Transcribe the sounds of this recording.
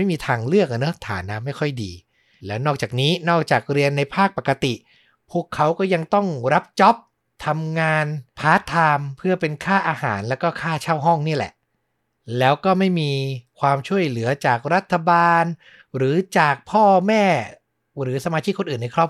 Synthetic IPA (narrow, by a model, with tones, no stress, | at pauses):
a˥˩jmiː˧t̪ʰaː˧ŋlɯ˥˩ək̚ʔa˨˩n˦˥t̪ʰa̰ː˩˦nːaː˧ma˥˩jkʰɔ˥˩jdḭː˧ | lɛː˦˥wnɔː˥˩k̚t͡ɕaː˨˩k̚niː˦˥nɔː˥˩k̚t͡ɕaː˨˩k̚ɾi˧ənːa˧jpʰaː˥˩k̚pa˨˩ka˧t̪i˨˩ | pʰu˥˩əkʰːa˦˥wkɔː˥˩ja˧ŋt̪ɔ˥˩ŋɾa˦˥p̚t͡ɕɔ˦˥p̚ | t̪ʰa˧mŋaː˧npʰaː˦˥t̪ʰaː˧mpʰɯ˥˩ɐpe˧nkʰaː˥˩ʔaː˧ha̰ː˩˦nlɛː˦˥wkɔː˥˩kʰaː˥˩t͡ɕʰaː˥˩wɦɔ˥˩ŋniː˥˩ɐlɛ̰˨˩ʔ | lɛː˦˥wkɔː˥˩ma˥˩jmiː˧kʰwaː˧mt͡ɕʰu˥˩əjlɯ˩˦ɐt͡ɕaː˨˩k̚ɾa˦˥t̪ʰːa˧baː˧n | ɾɯː˩˦t͡ɕaː˨˩k̚pʰɔː˥˩mɛː˥˩ | ɾɯː˩˦sa˧maː˧t͡ɕʰiː˥˩kʰːo˧nʔɯː˨˩nːa˧jkʰɾɔː˥˩p̚